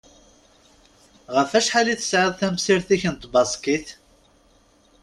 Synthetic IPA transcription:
ʁəfæʃħaliθə̥sʕɪðˤθæmsiɾθiçənt̪ˤbɑsˤkiθ

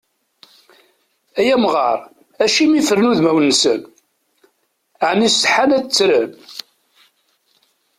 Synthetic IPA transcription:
æjæmʁɑ̰ɾˤ | æʃimifəɾnuðmæwnːsə̰n | ʕnisəħanæt͡sːɾən

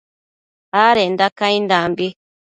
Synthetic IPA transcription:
aːɾend̪akaĩnd̪ambi

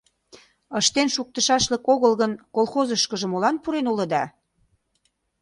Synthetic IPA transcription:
əʃt̪enʃuk̚t̪ə̆ʃɑʃlə̆koɣəlɣənkolˠxozəʃkəʒə̆molɑnpuɾenulə̆d̪ɑ

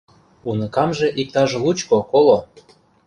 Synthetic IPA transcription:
unə̆kɑmʒĕʔik̚t̪ɑʒlut͡ɕkokolo

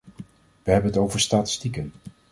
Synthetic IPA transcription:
ʋəɦɛbənətowvəɹstaːtɪ̥stikən

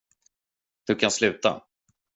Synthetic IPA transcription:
d̪̥ɵkʰanslʉ̟ːt̪a̰

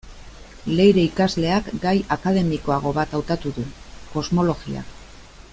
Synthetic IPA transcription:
le̞jɾe̞ikazle̞akɡajakað̞e̞miko̞aɣ̞o̞βat̪awt̪at̪uðuko̞zmo̞lo̞ɣia̰k

